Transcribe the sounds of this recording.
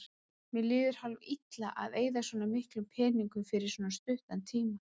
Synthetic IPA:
mjɛlɪːðʏɾ̥halvit̪laʔa̰ðeːjðasvɔːnamɪhklʏmpʰɛːniŋkʏfɪɾɪɾ̥swɔːnast̪ʏht̪ant̪ʰiːma

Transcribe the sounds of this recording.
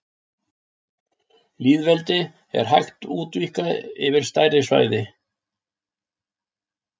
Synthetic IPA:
liːðvɛlt̪ɪ | ɛ̰ɾ̥ɦajxt̪uːt̪vihkaðɪ̰vɪɾ̥st̪aːjrɪsva̰jðɪ

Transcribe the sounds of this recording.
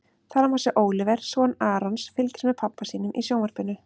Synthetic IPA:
θaɾamasɪʔoːwlɪvɛɾ̥sɔːnaːɾɔnsfɪlcɪ̥ɾsmɛðpʰapːasiːnʏmʔḭsjoːwnvaɾ̥pɪnːʏ

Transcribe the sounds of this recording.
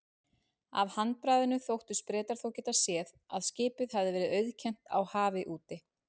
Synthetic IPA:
a̰vhant̪̚pɾajðɪnʏθowht̪ʏspɾɛːt̪aɾ̥θowcɛːt̪asjɛːð | aðscɪːpʏðhavðɪvɛːɾɪðœɥðcʰɛn̥t̪a̰whaːvɪʔuːt̪ɪ

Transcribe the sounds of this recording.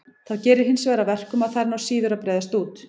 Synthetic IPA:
θaðcɛːɾɪɾ̥ɦɪnsvɛːɾavɛr̥kʏmaðθaɾnawsiːðʏɾaðpɾɛːjðast̪uːt̪

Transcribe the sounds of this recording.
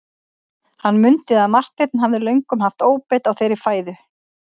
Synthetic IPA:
hanːmʏnt̪ɪðaðmar̥t̪lejt̪̚nɦavðɪlœɥjŋkʏmɦaft̪oːwpɛjt̪awθejɾɪfaːjðʏ

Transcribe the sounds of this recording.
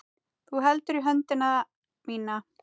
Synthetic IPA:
θuɦɛlt̪ʏɾiɦœnt̪ɪna | miːna

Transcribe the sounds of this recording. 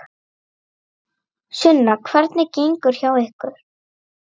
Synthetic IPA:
sʏnːakʰvɛɾt̪nɪceŋkʏɾ̥çawehkʏɾ̥

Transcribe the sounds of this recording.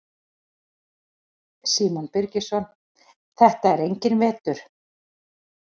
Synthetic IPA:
siːmɔnpɪɾcɪsɔn | θɛht̪aɛɾejɲcɪnvɛːt̪ʏɾ̥

